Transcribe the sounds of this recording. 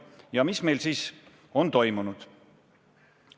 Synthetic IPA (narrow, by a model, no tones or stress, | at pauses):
jɑmisme̞jlsiːs | o̞nt̪o̞jmunud̪̥